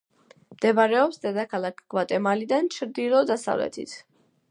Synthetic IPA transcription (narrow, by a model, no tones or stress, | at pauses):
md̪̥ɛbaɾɛɔpsd̪ɛd̪akʰalˠakʰɡ̥vat̪ʼɛmalid̪ant͡ʃʰɾd̪ilˠɔd̪asa̰vlɛ̰t̪ʰḭt̪ʰ